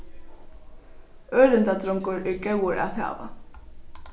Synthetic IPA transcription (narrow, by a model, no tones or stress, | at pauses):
œːlʏnt̪at̪ɾɔŋkʊɾʏcœwʏɾa̰ðha̰ːva̰